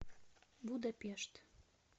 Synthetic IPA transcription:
bud̪əpeʃt̪

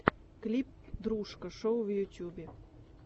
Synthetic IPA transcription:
klʲip̚d̪ɾuʃkəʃowvjutʲjubʲe

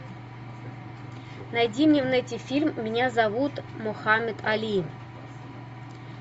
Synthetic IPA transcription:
najdʲimnʲevnɛtʲifʲilʲmːʲinʲazavut̪moxamʲet̪ʰalʲijn

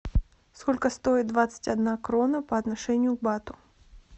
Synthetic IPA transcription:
skɔlʲkɐst̪ɔjit̪d̪vat̪sə̥tʲad̪nakɾɔnɐpɐːt̪naʂɛnʲːjʊɡbat̪ʊ

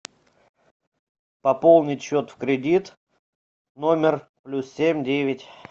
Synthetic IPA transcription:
pɐpolˠnʲɪtʲɕot̪fkɾʲɪdʲit̪ | no̞mʲɪrplʲussʲemʲdʲevʲɪtʲ

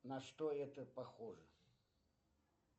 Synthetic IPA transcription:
nɐʂt̪oɛt̪əpɐxoʐə

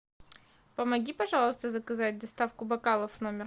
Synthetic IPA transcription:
pəmɐɡʲipɐʐɑlˠəst̪əzəkɐzat̚ʲd̪ɐst̪afkʊbɐkalˠəfnomʲɪr

